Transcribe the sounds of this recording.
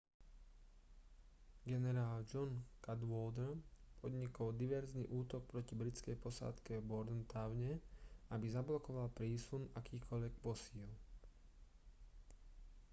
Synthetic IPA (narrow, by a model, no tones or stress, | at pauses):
ɡɛnɛɾaːld͡ʒɔnkad̪ʋɔld̪ɾpʰɔd̪ɲikɔld̪iʋɛɾznḭʔuːt̪ɔk̚pɾɔcibɾit͡skɛjpɔsa̰ːt̪kɛbɔɾd̪nt̪aʋɲɛabizablɔkɔʋalpɾiːsunakiːkʰɔʎʋɛk̚pɔsiːl